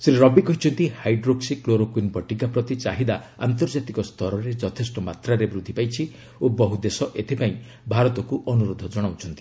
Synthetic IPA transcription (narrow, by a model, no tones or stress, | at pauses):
sɾiɾɔbikɔɦit͡ʃʰɔnt̪ihajɖɾoksikloɾokwinbʱɔʈikapɾɔt̪it͡ʃaɦid̪aa̰nt̪ɔɾd͡ʒat̪ikɔst̪ʰɔɾɔɾed͡ʒɔt̪ʰesʈɔmat̪ɾaɾebɾud̪ʱːipajt͡ʃʰi | obɔɦud̪esɔʔet̪ʰipaĩ | bʱaɾɔt̪ɔkuʔɔnuɾod̪ʱɔd͡ʒɔɽ̃awt͡ʃʰɔnt̪i̥